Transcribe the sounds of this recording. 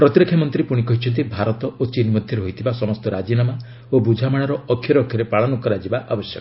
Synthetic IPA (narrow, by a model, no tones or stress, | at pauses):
pɾɔt̪iɾekʰːjamɔnt̪ɾipuɽ̃ikɔɦit͡ʃʰɔnt̪̬ibʱaɾɔt̪ɔot͡ʃinmɔd̪ʱjɔɾeɦojt̪ʰibasɔmɔst̪ɔɾad͡ʒinama | obud͡ʒʱamaɽ̃aɾɔɔkʰjɔɾɔkʰjɔɾepaɭɔnukɔɾad͡ʒibaʔabɔsjɔ̰kɔ